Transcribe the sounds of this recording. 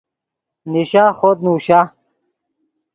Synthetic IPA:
niɕaːxot̪̚nuːɕa

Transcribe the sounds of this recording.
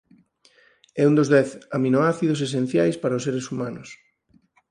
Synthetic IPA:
ɛund̪ozðɛθaminoaθiðʊs̬es̬en̟θjajspaɾaʊseɾesumãnʊs

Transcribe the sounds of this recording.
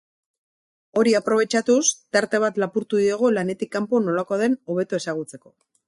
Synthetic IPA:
o̞ɾiapɾo̞β̞e̞t͡ʃat̪ust̪aɾt̪e̞β̞at̪lapuɾt̪uðieɣ̞olane̞t̪ikːampono̞lako̞ðe̞no̞β̞e̞t̪ue̞saɣ̞ut͡se̞ko̞

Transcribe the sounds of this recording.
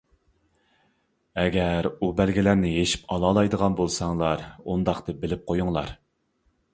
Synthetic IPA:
ɛɡʲɛɾubælɡʲilæɾnɪjeʃi̥pʰɑlˠɑːlˠɑjd̪əʁɑnbolˠsɑŋlˠɑɾund̪ɑχt̪ɨbɪlɪp̚qʰojuŋlˠɑ̰ɾ

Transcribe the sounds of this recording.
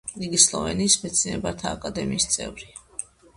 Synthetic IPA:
liɡislˠɔ̰vɛ̰niːsmɛt̪sʰinɛbaɾt̪ʰaːkʼad̪ɛmiːst̪sʼɛvɾi

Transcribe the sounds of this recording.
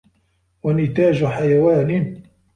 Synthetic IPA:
wanɪt̪aːd͡ʒħajawaːnɪ

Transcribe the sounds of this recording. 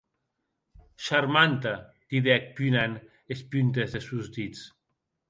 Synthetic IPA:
ʃaɾmant̪a | d̪̥iðɛk̚pynan | espynt̪ezðesuzd̪it͡s

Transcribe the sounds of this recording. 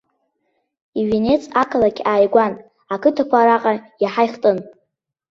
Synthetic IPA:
iɥene̞t͡sʼakʰalakʲʰaːjɡʷan | akʰɨtʰakʷaɾaqʼajaħajχtʼɨn

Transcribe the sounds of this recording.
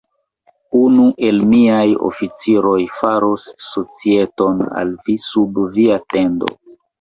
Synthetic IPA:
unuʔe̞lmiajo̰fit͡siɾo̞jfaɾosːo̞t͡sie̞to̞na̰lvisubviate̞ndo̞̰

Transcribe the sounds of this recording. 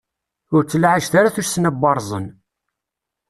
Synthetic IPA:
ʊɾt͡sːəlʕaʒθaɾaθuʃsnæbːɑɾˤzˤə̰n

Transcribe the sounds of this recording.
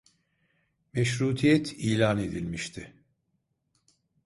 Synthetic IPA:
mɛʃɾuːt̪ʰijɛt̪ʰiːlʲaːne̞d̪ilʲmiʃt̪ʰɪ

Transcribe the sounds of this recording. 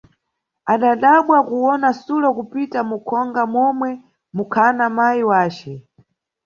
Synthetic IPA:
aɗaɗaɓwakuwɔnasulɔkupitamukʰɔŋɡamɔmwɛ | mukʰanamajiwaːt͡ʃɛ

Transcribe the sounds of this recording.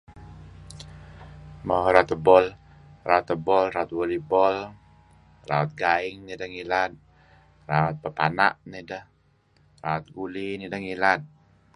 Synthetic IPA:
mahɾat̪əbɔl | raut̪əbɔlɾaut̪̚wolibɔl | ra̰ɔt̪̚ɡaɪŋnidəhŋilat̪̚ | raat̪̚pəpana̰ʔnidəh | raat̪̚ɡulinidəhŋilat̪̚

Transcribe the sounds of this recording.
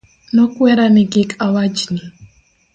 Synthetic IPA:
nɔkwɛɾanɛɡekʼawad͡ʒni

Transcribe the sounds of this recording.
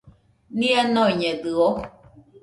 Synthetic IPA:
nĩanõiɲẽd̪ɯo

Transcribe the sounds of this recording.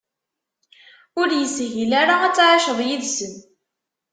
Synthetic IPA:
ʊɾjəsɦilaɾaæt͡sːɾˤɑʃəðˤjiðsən

